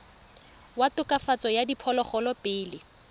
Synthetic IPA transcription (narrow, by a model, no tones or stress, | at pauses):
watʊkʼafat͡sɔjadipʰɔlɔχɔlɔpɪːlɪ